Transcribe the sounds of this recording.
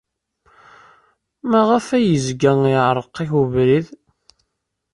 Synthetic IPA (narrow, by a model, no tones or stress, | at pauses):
mæʁəfæjəzɡæŋiʕɾˤəqːiçuvɾið